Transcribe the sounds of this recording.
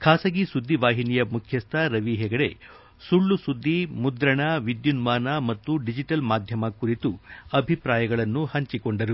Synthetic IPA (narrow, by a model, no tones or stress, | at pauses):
kʰaːsɐɡisud̪ːiʋaːɦinijɐmukʰjɐst̪ʰɐɾɐʋiɦɛːɡɐɽe̞̰ | suɭːusud̪ːimud̪ɾɐɳɐʋid̪junmaːnɐmɐt̪ːuɖid͡ʒiʈɐlmaːd̪ʱjɐmɐkuɾit̪uɐbʱipɾaːjɐɡɐɭɐnːuhɐɲt͡ʃikoɳɖɐɾu